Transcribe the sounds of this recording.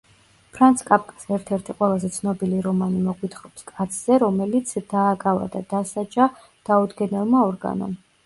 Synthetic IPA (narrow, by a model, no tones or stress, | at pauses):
pʰɾant̪sʰkʼap̚ʰkʼḁsɛɾt̪ʰɛɾt̪ʰiqʼwɛlˠazɛt̪sʰnɔbiliɾɔmanimɔɡwit̪ʰχɔpskʼat̪sʰz̥ɛɾɔmɛlit̪sʰd̪̥aːkʼava̰d̪ad̪̥asad͡ʒa | d̪̥aud̪ɡɛnɛlˠmaɔɾɡa̰nɔ̰m